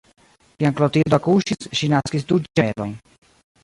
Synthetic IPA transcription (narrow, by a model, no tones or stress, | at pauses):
kiaŋklot̪ild̪oakuʃisʃinaskisd̪ud͡ʒeloj